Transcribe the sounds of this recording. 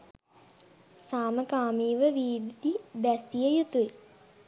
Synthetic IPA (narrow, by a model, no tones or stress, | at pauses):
saːməkaːmiːʋəʋiːd̪id̪ibæsijəjut̪ue